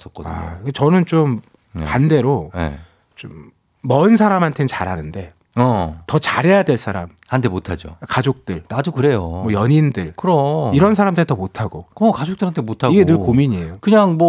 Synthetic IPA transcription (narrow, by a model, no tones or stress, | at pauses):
s͈ʌk͈ʌa̰et͡ɕʌnɯnt͡ɕom | kande̞ɾojḛ | t͡ɕomː | ʌɯns̬ʰaɾamɦantʰe̞nt͡ɕaɾɦanɯnde̞ | ʌtʌt͡ɕaɾɦe̞jadwe̞ɭs͈aɾa̰mhantʰemotʰad͡ʑo̰kad͡ʑok̚t͈ɯɭnadukɯɾe̞jomwʌjʌɲindɯɭkɯɾoiɾʌns̬ʰaɾamdɯtʌmotʰaɡokʌkad͡ʑok̚t͈ɯɾhantʰemotʰaiɡenɯɭkomiɲiejokɯɲaŋmʌ